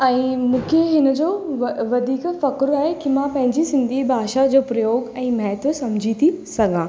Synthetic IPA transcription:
ɛ̃ːmũːkʰeɦɪnə̆d͡ʑoːʋɐd̪ʱiːkfɐkɾaːɦekimãpɐ̃ɦɪ̃ɲd͡ʑisɪ̃nd̪ʱibʱaːʃad͡ʑoːpɾɐjoːɡɛ̃ːmɐɦt̪ʋəsɐmd͡ʑʱit̪ʰisɐɡãː

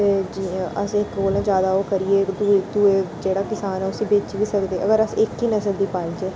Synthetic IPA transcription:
t̪eːd͡ʒiːəsɪkɾoːlãːd͡ʒjaːd̪aːoːkəɾieːd̪ud̪ued͡ʒeːɽaːkɪsaːnɛːʊsĩːbeːt͡ʃiʋiːsəkd̪eːʔəɡəɾəsɪkɦiːnəsəld̪iːpaːid͡ʒeː

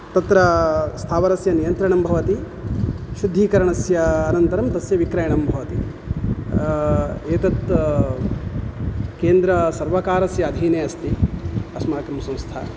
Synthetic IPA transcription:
t̪ɐt̪ɾɐst̪ʰaːʋɐɾɐsjɐnijɐnt̪ɾɐɳɐmbʱɐʋɐt̪i | ʃud̪ʱːiːkɐɾɐɳɐsjɐːnɐnt̪ɐɾɐmt̪ɐsjɐʋikɾɐjɐɳɐmbʱɐʋɐt̪i | eːt̪ɐt̪ | keːnd̪ɾɐsɐɾʋɐkaːɾɐsjɐːd̪ʱiːneːɐst̪iɐsmaːkɾɐmsɐ̃m̃st̪ʰɐ̰

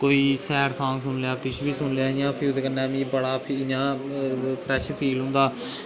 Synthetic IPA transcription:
koːiːsɛːɾsʰãːksʊnleaːkɪt͡ʃʰbiːsʊnlejaːɪjãːpʰɪd̪eːkənːɛ̃ːmĩːbəɽaːpʰiɪɲãː | pʰɾɛːʃpʰiːlɦʊ̃nd̪aː

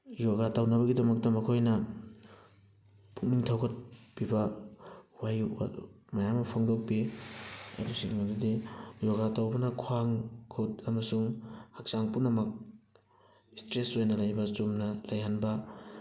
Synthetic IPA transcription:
joɡatawnɐβɐɡidɐmɐk̚tɐmɐkʰojnɐ | pʰuk̚niŋtʰawkʰɐt̚bibɐ | waja̰ | mɐjamɐpʰoŋdok̚pi | ɐ̰busiŋmadudijoɡatawbɐnɐkʰoaŋkʰotɐmɐsuŋhak̚saŋpunɐmɐk̚ | istɾesojnɐlajbɐsomnɐlajɦanbɐ

